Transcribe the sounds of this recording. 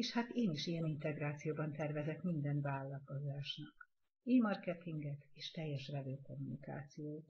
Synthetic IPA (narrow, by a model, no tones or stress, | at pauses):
eːʃhat̪eːniʃijɛnint̪ɛɡraːt̪sijoːbɒnt̪ɛrvɛzɛkmind̪ɛnvaːlːɒko̞zaːʃnɒk | eːmɒrkɛt̪iŋɡɛk̪eːʃt̪ɛjːɛʃrɛvøːko̞mːunika̰ːt̪sijoːt̪